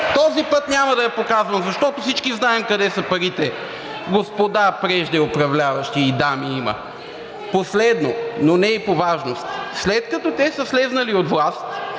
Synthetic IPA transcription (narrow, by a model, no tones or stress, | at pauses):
t̪ɔzipɤt̪nɲʲamɐd̪ɐjɐpokazvɐmzɐʃt̪ɔt̪ʊfsit͡ʃkiznaɛmkɐd̪ɛsɐpɐɾit̪ɛ | ɡospod̪apɾɛʒd̪ɛopɾɐvlʲavɐʃt̪iːd̪amiimə̰ | poslɛd̪nononɛipovaʒnost̪slɛt̪kɐt̪ɔt̪ɛsəslɛznɐliot̪vlˠast̪